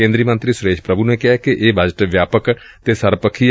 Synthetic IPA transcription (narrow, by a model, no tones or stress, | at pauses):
ẽːnd̪ɾiːəmə̃nt̪ɾisʊɾeːʃpɾəbʱunekɪɦakeʔeːbʱəd͡ʒʈʋjaːpək | t̪esəɾpəkʰi